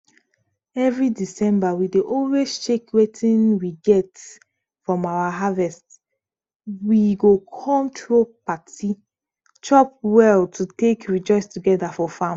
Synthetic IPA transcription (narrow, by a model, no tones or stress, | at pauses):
ɛvɹidisɛ̃mbawideʔɔlwezt͡ʃekwetʰĩnwiɡɛt | fɹɔ̃mawaɦavɛst | wiɡokʰɔ̃mtɹopati | t͡ʃɔp̚wɛltutekɹid͡ʒɔɪstuɡɛdafɔfãm